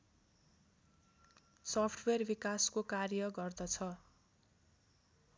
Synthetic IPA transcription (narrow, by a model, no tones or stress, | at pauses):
sʌpʰʈʰwerbikaskokarjʌɡʌrd̪ʌt͡sʰʌ